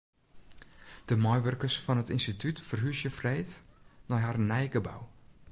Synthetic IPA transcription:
d̥əmɔjʋørkərsfɔnətinstitʰytfərɦysjəfreːtnɔjɦarnɛjɡəba̰w

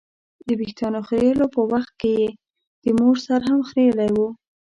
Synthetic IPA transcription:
d̪əbixt̪ɑnoxɾelopəwaxt̪̚keje | d̪̥əmoɾsaɾɦamxɾelajwu

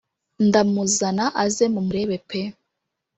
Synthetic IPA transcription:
ndamuzanaʔazemumuɾeβepʰe

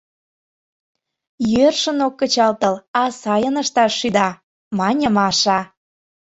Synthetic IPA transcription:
jørʃə̆nokːət͡ɕɑlt̪ə̆lɑsɑjənəʃt̪ɑʃːyd̪ɑ | mɑnʲəmɑʃɑ

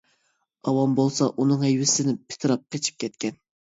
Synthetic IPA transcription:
ɑwɑnbolˠsɑʔunɨŋɛjwɪsɪnɪpʰɪ̥t̪ʰɨɾɑp̚qet͡ʃʰi̥p̚kʲʰɛt̪̚kʲʰɛn

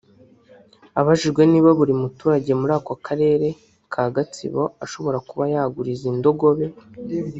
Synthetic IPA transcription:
aβaʒiʒɡwe̞niːβaβuɾimutuːɾaɟe̞muɾaːkokʰaɾe̞ːɾe̞ | kʰaːɡat͡sḭβo̞aʃo̞βo̞ɾakuβajaɡuɾizindo̞ɡo̞βe̞

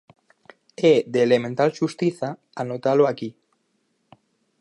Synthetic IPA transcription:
eðeːlemẽnt̪alʃust̪iθa | anot̪aloaki

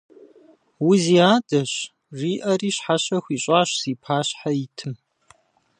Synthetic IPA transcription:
wʊziaːdɐɕ | riːʔɐriːɕħaɕɐxʷiːɕʼaːɕsiːpʰaːɕħaitʰɨm

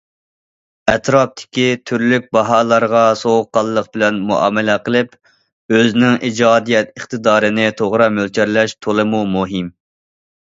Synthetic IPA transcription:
ɛt̪ɾɑp̚t̪ʰɪ̥kʲit̪ʰyɾlyk̚ʲbɑɦɑːlˠɑɾʁɑsoʁʊqːɑlˠəːəq̚bɪlɛnmuʔɑ̰ːmɛlɛqəlˠɨp | øznɪŋid͡ʒɑːd̪ijɛt̪əχt̪ɨd̪ɑːɾɨnɪt̪ʰoʁɾɑmølt͡ʃʰɛɾlɛʃt̪ʰolˠɨmumuɦɪm

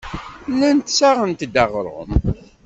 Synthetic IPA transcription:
lænt̪saʁənt̪d̪ɑʁɾˤə̰m

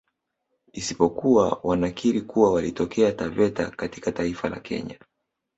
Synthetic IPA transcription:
isipɔkuwawʔanakiɾikuwawalitɔkɛatavɛta̰kati̥kataifala̰kʰɛ̰ɲa

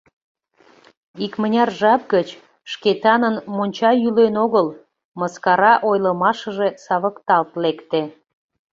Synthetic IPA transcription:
ikmənʲɑrʒɑp̚ɡət͡ɕ | ʃket̪ɑnənmonʲt͡ɕɑjylenoɣəl | məskɑɾɑʔojlə̆mɑʃə̆ʒe̽sɑβəkt̪ɑlt̪lekt̪e

